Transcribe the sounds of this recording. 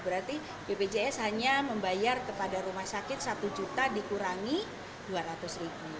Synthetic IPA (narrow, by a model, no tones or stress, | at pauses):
bəɾart̪i | bebed͡ʒeɛsɦaɲaməmbajarkəpadaɾumahsakɪt̪̚sat̪ud͡ʒut̪adikuɾaŋi | duaɾat̪ʊsribu